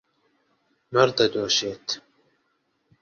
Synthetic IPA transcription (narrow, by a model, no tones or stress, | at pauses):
mɐɾd̪ɐd̪oːʃeːt̪